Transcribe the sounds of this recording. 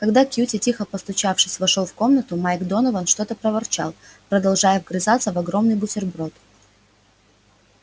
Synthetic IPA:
kɐɡd̪akʲjutʲɪtʲixəpəst̪ʊt͡ɕafʂɨsʲvɐʂo̞lˠfko̞mnət̪ʊmajɡd̪o̞nəvənʂt̪o̞t̪əpɾəvɐrt͡ɕa̰lˠpɾəd̪ɐlˠʐajəvɡɾʲɪzat̪sːəvɐɡɾo̞mnɨjbʊsʲɪrbɾo̞t̪

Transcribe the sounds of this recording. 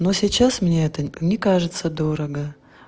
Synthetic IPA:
nosʲɪt͡ɕasmnʲeɛt̪ənʲɪkaʐɨt̪səd̪o̞ɾəɡə

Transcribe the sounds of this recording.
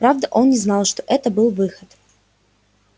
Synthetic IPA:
pɾavd̪əʔo̞nnʲɪznɑlˠʂt̪oʔɛt̪əbɨlˠvɨxət̪

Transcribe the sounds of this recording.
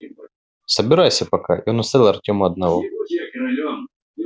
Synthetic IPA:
səbʲɪɾajsʲɐpɐka̰ʔḭonʊst̪aɾʲilˠɐrtʲomʊɐd̪nɐvɔ

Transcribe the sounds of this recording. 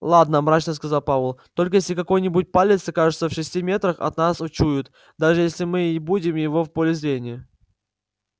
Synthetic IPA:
lˠad̪nəmɾat͡ɕnəskɐzalˠpavəlˠt̪o̞lʲk̬əjesʲlʲɪkɐko̞jnʲɪbut̚ʲpalʲɪt̪səkaʐɨt̪səfʂɨsʲtʲimʲe̞t̪ɾəxɐ̰t̪nasʊt͡ɕujʊt̪ | d̪aʐɨjesʲlʲɪmɨɪbudʲɪmjɪvo̞fpolʲɪzɾʲenʲɪjə

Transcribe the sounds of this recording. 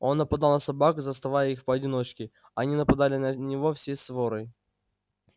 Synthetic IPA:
o̞nːəpɐd̪ɑlˠnəsɐbakʊzəst̪ɐvajəixpəɐdʲɪno̞t͡ɕkʲɪ | ɐnʲinəpɐd̪alʲɪnənʲɪvo̞fsʲesvo̞ɾɨ

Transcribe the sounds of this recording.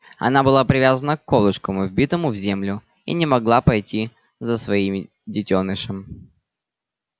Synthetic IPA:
ɐ̰nabɨlˠapɾʲɪvʲazənəkːolˠɨʂkəmʊvʲbʲit̪əmʊvzʲemlʲʊ | ḭnʲɪmɐɡlˠapɐjtʲi | zəsvɐim | dʲɪtʲonɨʂəm

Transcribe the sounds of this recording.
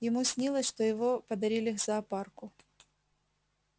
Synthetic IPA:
jɪmusʲnʲilˠəsʲʂt̪ojɪvopɐd̪ɐɾʲilʲixzɐːparkʊ

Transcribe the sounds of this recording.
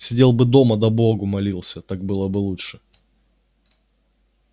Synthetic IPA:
sʲɪdʲe̞lˠbɨd̪o̞məd̪ɐboɡʊmɐlʲilˠsʲət̪ak̚bɨlˠəbɨlˠuʂɨ

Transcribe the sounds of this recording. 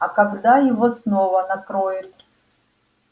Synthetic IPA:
ɐkɐɡd̪ajɪvosnovənɐkɾojɪt̪̚

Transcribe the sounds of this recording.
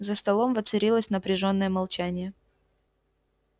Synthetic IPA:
zəst̪ɐlˠo̞mvət̪sɨɾʲilˠəsʲnəpɾʲɪʐo̞nːəjəmɐlˠt͡ɕænʲɪjə

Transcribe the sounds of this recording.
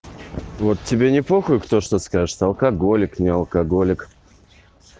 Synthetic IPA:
vot̪tʲːɪbʲenʲɪplˠoxʊjʊkt̪oʂt̪oskaʐɨʂsɐlˠkɐɡo̞lʲɪknʲɪɐlˠkɐɡolʲɪk

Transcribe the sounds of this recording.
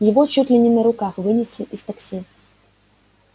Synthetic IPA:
javɔt͡ʃut̪lʲinʲinɐɾukaxvɨnʲɛsʲlʲiʔist̪aksʲi

